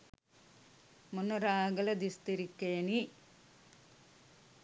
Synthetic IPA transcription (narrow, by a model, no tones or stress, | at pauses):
munːɐɾaːɡɐlɐd̪ist̪iɾikːeːni